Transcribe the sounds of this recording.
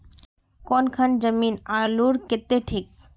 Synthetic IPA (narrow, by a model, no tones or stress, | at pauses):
kɔnkʰɐnd͡ʒəmiːnaluɾket̪ːeʈʰiːk̚